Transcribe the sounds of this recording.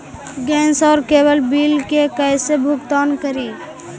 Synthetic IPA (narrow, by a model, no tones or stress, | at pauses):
ɡɛ̃nsɔʊɾkebəlbilkekəjsebʱukt̪ankəɾi